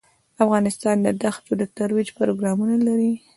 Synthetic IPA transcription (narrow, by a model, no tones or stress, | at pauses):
afɣɑnɪst̪ɑnd̪əd̪axt̪od̪ət̪aɾwid͡ʒpɾoɡɾɑmunalaɾi